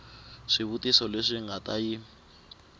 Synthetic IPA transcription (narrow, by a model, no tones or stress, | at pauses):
ʂiβutʼisɔleʂiŋɡatʼaji